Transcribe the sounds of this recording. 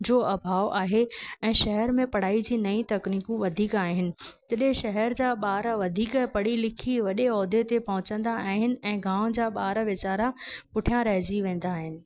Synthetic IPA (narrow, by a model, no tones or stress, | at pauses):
d͡ʑoːɐbʱaːoʔaːɦeɛ̃ːʃɐɦɛɾmẽpɐɽ̤aːid͡ʑiːnɐĩt̪ɐkniːkũʋɐd̪ʱiːkaːɦɪnɪ̆t̪ɐɗɦɪ̃ʃɐɦɛɾd͡ʑaːɓaːɾʋɐd̪ʱiːkɛpɐɽ̤ilɪkʰiʋɐɗeɔːd̪et̪epɐɦʊ̃t͡ɕə̃nd̪aaːɦɪnɪ̆ɛ̃ːɡãːʋ̃d͡ʑaːɓaːɾʋɪt͡ɕaːɾapʊʈʰijãɾɐɦd͡ʑiʋẽːn̆d̪aːɦɪnɪ̆